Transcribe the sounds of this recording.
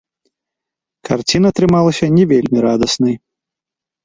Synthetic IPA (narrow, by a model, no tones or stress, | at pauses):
kʰart͡sʲinɐt̪ɾɨmalˠɐsʲɐnʲɛvʲelʲmʲiɾad̪ɐsnɨj